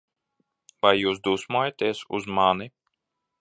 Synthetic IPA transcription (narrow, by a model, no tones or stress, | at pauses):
vajːuːsd̪uːsmuɔjat̪eɛsṵzmani